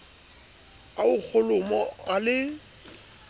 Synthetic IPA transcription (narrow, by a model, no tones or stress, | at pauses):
aʊk͡xʰʊlʊmɔalɪ